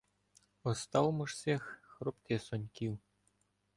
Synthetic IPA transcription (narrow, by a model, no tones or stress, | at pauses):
ŏst̪ɑlˠmɤ̆ʂsʲexʲxropt̪ʲesonʲkʲiw